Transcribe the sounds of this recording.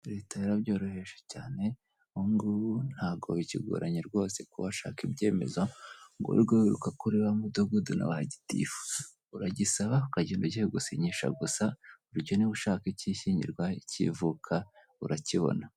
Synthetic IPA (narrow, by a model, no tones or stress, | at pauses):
ɾe̞ːtaiɾabɟo̞ːɾohe̞ʃe̥caːne̞ | uŋɡun̥haːɡo̰βiciɡo̰ɾaɲiɾɡwo̞ːsekuβaʃa̰ːkibɟe̞ːme̞̰zoŋɡo̰ɾiɡoiɾukakuɾiβamudoɡuduna̰βahaɟi̥tḭfuza | uɾaɟisaβaukaɟinduɟiheɡusiɲiʃa̰ɡusauɾɟoniβuʃaːkiciːʃiːɲɟḭɾɡwaicḭvukʰa | ṵɾaciβo̞̰na